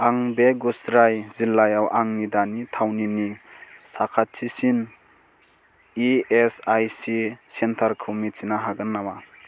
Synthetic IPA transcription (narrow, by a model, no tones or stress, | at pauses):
aŋbeɡusɾajzilːajawʔaŋnidanitʰawninisakʰat̚sʰisin | iesajsisentʰaɾkʰɯmisinaɦaɡɯnːawa